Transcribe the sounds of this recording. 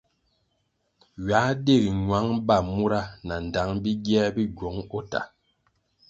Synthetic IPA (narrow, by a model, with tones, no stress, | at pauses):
ɥa˨˦de˦˨ɾi˨ŋwa˨˦ŋba˦˨mu˦ɾa˦na˨n˨da˨˦ŋbi˦ɡjɛ˦bi˦ɡwɔ˨˦ŋɔ˦ta̰˨